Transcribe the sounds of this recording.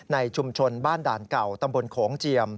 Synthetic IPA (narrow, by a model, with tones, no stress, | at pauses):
na˧jt͡ɕʰu˧mt͡ɕʰo˧nbaː˥˩ndaː˨˩nka˨˩wt̪a˧mbo˧nkʰɔː˩˦ŋt͡ɕi˧əm